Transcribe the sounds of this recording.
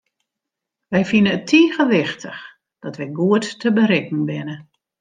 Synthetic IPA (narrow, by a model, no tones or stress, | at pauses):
ʋɛjfinəətʰiːɣəʋɪxtʰəx | d̥ɔtʋɛjɡuətːəbəɾɪkŋ̩bɪnə